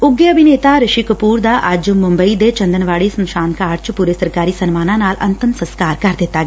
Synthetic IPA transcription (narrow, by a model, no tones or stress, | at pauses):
ʊɡjəɐbʱɪneːt̪aɾəʃikəpuːɾd̪aʔɐd͡ʒmʊ̃mbəid̪et͡ʃɐ̃nd̪ənʋaːɭisɐmʃaːnkaːɾt͡ʃpuːɾesɐɾkaːɾiːsɐnmaːnãːnaːlɐ̰nt̪əmsə̃nskaːɾkɐɾd̪ɪt̪ːaːɡɛː